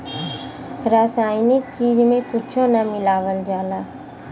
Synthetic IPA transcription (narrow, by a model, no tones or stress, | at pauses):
ɾaːsaːɪnɪk̚t͡ʃiːd͡ʒmẽkʊt͡ʃʰõnamɪlaːʋəld͡ʒaːlaː